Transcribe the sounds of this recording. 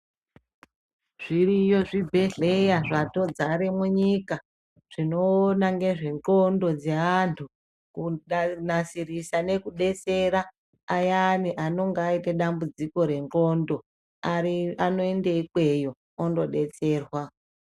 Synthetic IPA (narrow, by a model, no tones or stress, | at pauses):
ʐ̥irijo̞ʐibʱe̞ɮe̞jaʐato̞d͡zaɾimuɲika | ʐ̥ino̞ːnaŋɡe̞ʐe̞ŋɡo̞ndo̞d͡zeantʰu | kunasirisane̞kuɗe̞t͡se̞ɾaː | janiʔano̞ŋɡaiteɗambud͡ziko̞ɾe̞ŋɡo̞ndo̞ | ariano̞endeikwe̞jo̞ | ondo̞ɗe̞t͡se̞ːrwa